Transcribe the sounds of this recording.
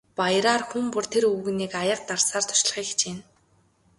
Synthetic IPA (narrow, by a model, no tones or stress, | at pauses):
pajɾaːrxumpʊr̥t̪ʰeɾuwɣɘ̆niːkajə̆q̚t̪arsaːrt̪ʰɔ̥ʃ̆ɮ̆χiːkxt͡ɕɪn